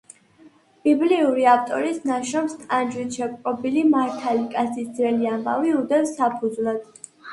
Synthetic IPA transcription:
b̥ibliuɾiaft̪ʼɔɾisnaʃɾɔmst̪ʼand͡ʒwit̪ʰʃɛkʼɾʼɔbilimaɾt̪ʰalikʼasʰisd̪zɾɛliamba̰viud̪ɛvsapʰud̪zvlat̪ʰ

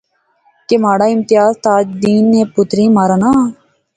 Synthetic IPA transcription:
kemaːɽaːɪmt̪ɪjaːzt̪aːd͡ʒd̪iːnːẽːpʊt̪ɾĩːmaːɾaːnaː

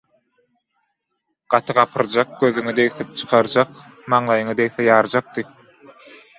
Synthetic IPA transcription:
ɢ̥ɑt̪ʰɯʁɑpʰɯɾd͡ʒɑq̚ɡøðyŋyd̪ejθt͡ʃʰɯ̥qʰɑɾd͡ʒɑq | mɑɴlˠɑjɯŋɯd̪ejθejɑːɾd͡ʒɑq̚t̪ɯ

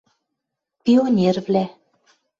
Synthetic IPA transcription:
pʲionʲervlæ

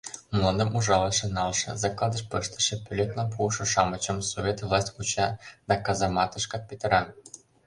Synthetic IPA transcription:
mlˠonɤ̆mʔuʐɑlˠɤ̆ʃɤ̆nɑlˠʃɤ̆zɑklˠɑd̪ɤ̆ʃpɤʃt̪ɤ̥̆ʃɤ̆pʲylʲet̪lɑmp̬uʃɤ̆ʃɑmɤ̆t͡ɕɤ̆msovʲet̪vlˠɑsʲtʲkut͡ɕɑd̪ɑkɑzɑmɑt̪ɤ̆ʃkɑt̪̚pʲet̪ɤ̆ɾɑ

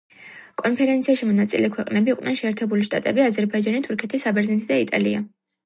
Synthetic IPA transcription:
kʼɔnpʰɛɾɛnt̪sʰiaʃimɔnat̪sʼilɛkʰwɛqʼnɛbiiqʼd̪nɛnʃɛːɾt̪ʰɛbuliʃt̪ʼa̰t̪ʼɛbiazɛɾbaid͡ʒanit̪ʰuɾkʰɛt̪ʰisabɛɾznɛt̪ʰid̪ait̪ʼa̰lia

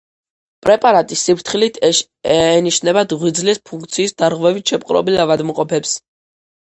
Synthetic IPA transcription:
pʼɾɛpʼaɾat̪ʼisːipʰɾt̪ʰχilit̪ʰ | ɛːniʃnɛbad̪ʁwid̪zlispʰuŋkʰʼt̪sʰiːsd̪aɾʁvɛvit̪ʃɛp̚ʼqʼɾɔ̰bilavad̪mqʼɔpʰɛps

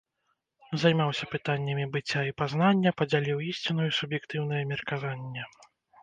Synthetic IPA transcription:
zajmawsʲɐpɨt̪anʲːɐmʲibɨt͡sʲːaipazn̪anʲːɐpɐd͡zʲalʲiwisʲt͡sʲinujisubjɛkt̪ɨwn̪ɐjɐmʲirkavanʲːɛ

